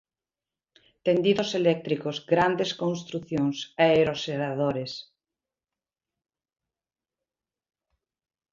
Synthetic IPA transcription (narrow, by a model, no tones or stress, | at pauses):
t̪end̪iðoselɛk̚t̪ɾikozɡɾand̪eskõnst̪ɾuθjoŋsɛeɾoseɾaðoɾes